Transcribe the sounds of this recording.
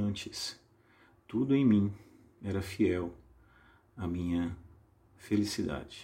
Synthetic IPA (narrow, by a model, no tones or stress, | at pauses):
ɐ̃nt͡ʃɪs | t̪ud̪ʊẽj̃mĩ | ɛɾɐfiɛw | ɐmĩɲɐ | felisid̪a̰d͡ʒɪ